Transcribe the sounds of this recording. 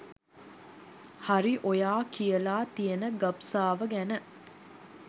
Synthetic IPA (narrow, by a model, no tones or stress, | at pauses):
haɾiʔojaːkijəlaːt̪ijənəɡɐpsaːʋəɡænə